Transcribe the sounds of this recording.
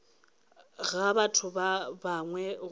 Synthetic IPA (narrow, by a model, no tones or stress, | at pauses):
ɣabatʰʊbabaŋwɛ